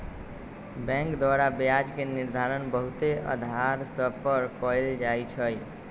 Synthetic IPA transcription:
bɛ̃ŋkd̪waɾabjad͡ʒkeniɾd̪ʱaɾənbəɦut̪eə̰d̪ʱaɾsəbpəɾkɔeld͡ʒajt͡ʃʰəj

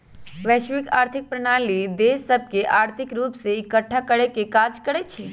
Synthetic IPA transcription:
ʋɛʃʋikaːɾt̪ʰik̚pɾəɳ̃alid̪esəb̚keʔaːɾt̪ʰikɾupseikəʈʰːakəɽekekad͡ʒkəɽet͡ʃʰe

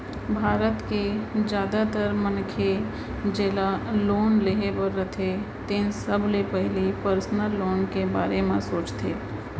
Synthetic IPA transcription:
bʱaːɾət̪ked͡ʒjaːd̪at̪əɾmənkʰe | d͡ʒeːlaloːnleɦebəɾət̪ʰe | t̪ɪnsəblepəɦlipəɾsnəlːoːnkebaːɾemẽsoːt͡ʃt̪ʰeː

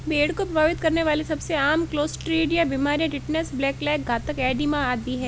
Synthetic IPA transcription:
beːɽkopɾɐbʱaːʋɪt̪kɐɾneʋaːlisɐbseaːmkloːsʈɾeːɖjabiːmaːɾijãʈɪʈnesblɛːklɛːk̚ɡʱaːt̪əkɛːɖimãaːd̪iɦɛː

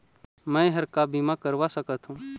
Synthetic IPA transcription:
mɛ̃ɦɐɾkabimakəɾʋasəkət̪ɦũː

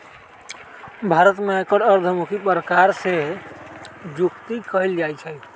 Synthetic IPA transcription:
bʱaɾət̪mekəɾəɾd̪ʱəmukipɾəkaɾse | d͡ʒukt̪ikəild͡ʒajt͡ʃʰɛ

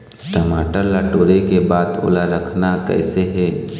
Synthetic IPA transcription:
ʈɐmaːʈəlaʈoːɾekebaːd̪ʊ̰laɾəkʰnakɛ̰ːseɦɛː

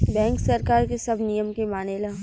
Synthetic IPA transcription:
bɛ̃ːŋksɐɾkaːɾkesɐbʱnijəmkemaːnelaː

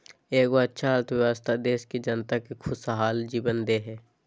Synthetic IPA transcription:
eːkoətːʃʰaɾt̪ʋɪʋaːst̪ʰad̪eːʃked͡ʒənt̪akikʰʊsaɦaːld͡ʒiːbənd̪eɦɛː

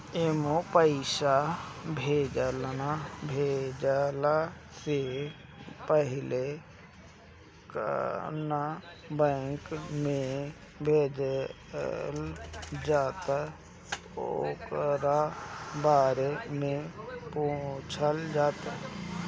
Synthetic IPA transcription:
emopəɪsabʱeːd͡ʒəlnabʱeːd͡ʒəla | se | pəɦɪle | kna | bɛ̃ŋkmẽ | bʱeːd͡ʒ | ld͡ʒaːt̪a | okɾabaːɾemẽpõt͡ʃʰəld͡ʒaːt̪a

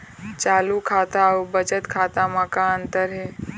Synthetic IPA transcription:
t͡ʃaːlukʰaːt̪aubət͡ʃət̪kʰaːt̪amãːkaənt̪əɾɦe

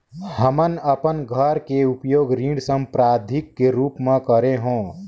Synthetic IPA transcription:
həmənəpənɡʱəɾkeʊpjoːɡɾĩːɖsə̃mpɾaːd̪ʱɪkːeɾuːpmẽkəɾeɦõː

